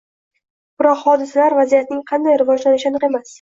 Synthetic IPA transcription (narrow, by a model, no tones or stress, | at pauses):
b̥ɪɾɒqhɒd̪ɪsalaɾvazijat̪̚nɪŋqʰɑnd̪ajɾɪvɒd͡ʒlanɪʃɪanɨqe̞mas